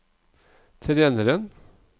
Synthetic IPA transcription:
t̪ʰɾeːnəɾən

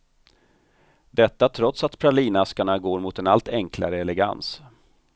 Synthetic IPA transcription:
d̪ɛt̪ːat̪ʰɾɔt̪sat̪pʰɾaɭiːnaskaɳaɡoːɾmʊt̪ɛnalt̪ɛŋkʰla̰ɾəɛlɛɡa̰ns

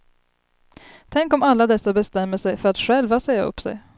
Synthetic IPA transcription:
t̪ʰɛŋkɔmalːad̪ɛsːabɛst̪ɛmːəʂɛjfœɾat̪ɧɛlvaseːa̰ɵ̰pːsɛ̰j

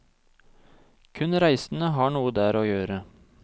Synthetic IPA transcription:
kʰʉnɾæɪsn̩əɦɑːɳuːəd̪æːɾoːjøːɾə

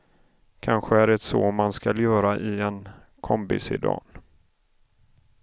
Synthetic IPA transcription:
kʰanɧəæɾɛt̪soːmanskaljœːɾaʔɪɛn | kʰɔmpɪ̰sɪ̰d̪ɑ̰ːn

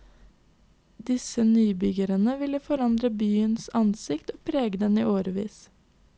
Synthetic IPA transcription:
d̪ɪsənyːbʏɡəɾənəʋɪləfɔɾɑnd̪ɾəbyːənsɑnsɪkt̪oːpʰɾeːɡəd̪ɛnḭːʔoːɾəʋḭːs

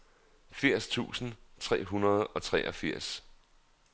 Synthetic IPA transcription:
fiɐ̰st͡sʰṵːsn̩t͡sʰʁɛ̰ːɦunɐð̞ˠɒ̽t͡sʰʁɛːʔɒfiɐ̰s

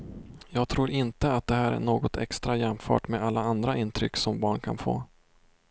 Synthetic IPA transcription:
jɑːɡ̚t̪ʰɾuːɾɪnt̪əat̪̚d̪ɛhæːɾæ̰ɳoːɡɔt̪ʰɛ̰kst̪ɾajɛmfœ̰ːʈmeːd̪alːaand̪ɾaʔɪnːt̪ʰɾʏkːsɔmbɑːɳkʰa̰nfo̰ː

